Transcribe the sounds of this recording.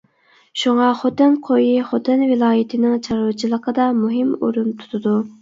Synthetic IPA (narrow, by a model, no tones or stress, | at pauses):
ʃuŋɑχot̪ɨnqʰojiχot̪ɨnvɪlˠɑːjɪt̪ʰɪnɪŋt͡ʃʰɑɾut͡ʃʰilˠəqʰəd̪ɑmuɦɪmo̰ɾumt̪ʰu̥t̪ʰɨd̪u